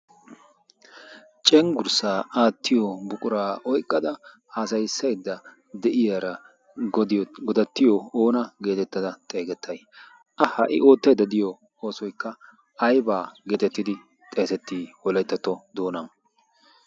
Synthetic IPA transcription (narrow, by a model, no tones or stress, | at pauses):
t͡ʃʼɛŋɡʊɾsaːaːt̪ːɪjɔbʊkʼʊɾaːʔɔjkʼːɐd̪ɐ | haːsɐjsːɐjd̪ːɐ | d̪ɛʔɪjaɾɐ | ɡɔd̪ɐt̪ːɪjɔoːnɐɡe̞ːt̪ɛt̪ːɐd̪ɐt̪ʼe̞ːɡɛt̪ʰːɐj | ʔɐhɐʔɪ̰ʔo̞ːt̪ːɐd̪ɐd̪ɪjɔ | o̞ːsɔjkːɐ | ɐjbaːɡe̞ːt̪ɛt̪ːɪd̪ɪ | t̪ʼe̞ːsɛt̪ːiːwɔlɐjt̪ːɐt̪ːɔd̪o̞ːnɐn